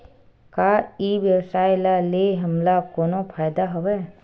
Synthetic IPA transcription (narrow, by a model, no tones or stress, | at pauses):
kaːiʋjəwsaːjlaleɦɐmlakoːnopʰaːjd̪aɦɐʋɛː